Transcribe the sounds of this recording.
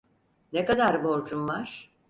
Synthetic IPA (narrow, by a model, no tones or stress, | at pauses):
nekad̪aɾbo̞ɾd͡ʒumvaɾ̥